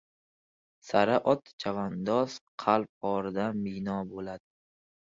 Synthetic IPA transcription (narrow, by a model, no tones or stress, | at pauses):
saɾaʔɒt̪t͡ʃʰavand̪ɒzqʰɑlˠp̚ɒɾɪd̪amɪnɒbolad̪ɪ